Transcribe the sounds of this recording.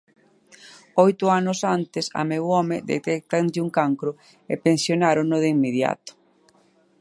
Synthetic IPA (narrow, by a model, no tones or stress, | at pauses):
ɔjt̪ʊanʊsant̪ɪsa̰mewɔmɪd̪ḛt̪ɛk̚t̪anʎuŋkaŋkɾʊ | epensjonaɾonʊðimːeð̞ja̰t̪ʊ̥